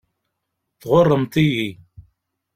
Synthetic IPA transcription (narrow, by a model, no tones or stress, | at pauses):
θʁorˤːəmt̪iji